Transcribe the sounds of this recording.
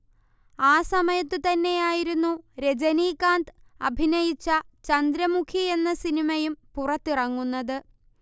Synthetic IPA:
aːsɐmɐjɐt̪ːɨt̪ɐnːe̞jaːjiɾunːuɾe̞d͡ʑɐniːkaːnd̪ɨɐbʱinɐjit͡ɕːɐt͡ɕɐnd̪ɾɐmukʰie̞nːɐsinimɐjumpurɐt̪ːirɐŋːunːɐðɨ

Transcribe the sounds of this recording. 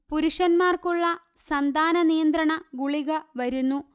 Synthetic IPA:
puɾuʂɐnmaːrkuɭːɐ | sɐnd̪ʱaːnɐnijɐnd̪rɐɳɐɡuɭiɣɐʋɐɾunːu

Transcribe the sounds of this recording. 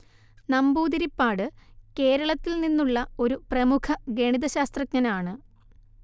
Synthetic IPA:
nɐmbuːd̪iɾipːaːɽɨke̞ːɾɐɭɐt̪ːilninːuɭːɐo̞ɾuprɐmukʰɐɡe̞ɳiðɐɕaːst̪rɐkɲɐnaːɳɨ

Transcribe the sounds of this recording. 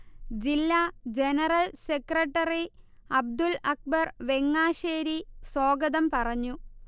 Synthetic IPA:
d͡ʑilːad͡ʑenɐrɐlsekrɐʈːɐriɐb̚d̪ulɐk̚bɐrʋe̞ŋːaːɕeːɾiso̞ːɡɐðɐmpɐrɐɲːu

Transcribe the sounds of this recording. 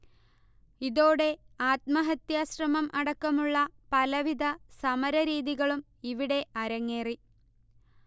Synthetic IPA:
iðo̞ːɽe̞aːt̪̚mɐɦɐt̪jaːɕrɐmɐmʔɐɽɐkːɐmuɭːɐpɐlɐʋid̪ɐsɐmɐɾɐɾiːðiɣɐɭum | iʋiɽe̞ɐɾɐŋːe̞ːri

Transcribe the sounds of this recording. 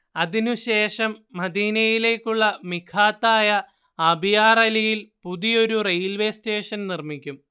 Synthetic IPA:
ɐðinuɕe̞ːʂɐmːɐd̪iːnɐjile̞ːkʲːuɭːɐmikʰaːt̪ːaːjɐ | ɐbijaːrɐlɐjilpuðijo̞ɾurejlʋe̞ːste̞ːʂɐnnirmikʲːum

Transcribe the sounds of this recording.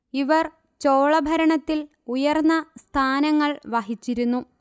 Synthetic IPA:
iʋɐr | t͡ɕoːɭɐbʱɐɾɐɳɐt̪ːil | ujɐrnːɐst̪ʰaːnɐŋːɐɭʋɐɦit͡ɕːiɾunːu

